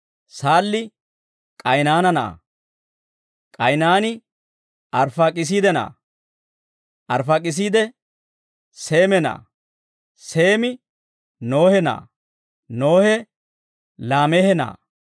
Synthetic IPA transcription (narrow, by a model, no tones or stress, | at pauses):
saːlːɪ | kʼɐjnaːnɐna̰ː | kʼɐjnaːnɪ | ɐɾfakʼɪs̬iːd̪ɛna̰ː | ʔɐɾfak̬ʼɪs̬iːd̪ɛ | seːmɛna̰ː | seːmɪ | no̞ːhɛna̰ː | no̞ːhɛ | laːmɛhɛna̰ː